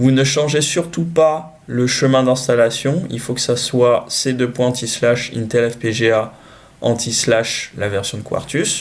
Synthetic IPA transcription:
vunəʃɑ̃ʒesyʁt̪upa | ləʃəmɛ̃d̪ɛ̃st̪alasjɔ̃ḭlfokə̥saswased̪øpwɛ̃ɑ̃t̪ʰislaʃḭnt̪eɛlɛfpeʒea | ɑ̰̃t̪ʰislaʃlavɛʁsjɔ̃d̪əkwa̰ʁt̪ys

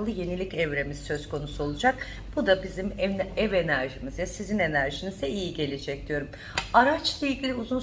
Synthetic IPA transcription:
lˠɯje̞nilʲicɛvɾe̞miz̥sø̞z̥kʰo̞nusuo̞lˠud͡ʒak | b̥ud̪abizimɛvenæɾʒimizjasizine̞næɾʒinizd̪ɛijiɟe̞lʲid͡ʒɛc̚d̪̥ijo̞ɾum | aɾat͡ʃlˠailʲɟʲilʲiuzun

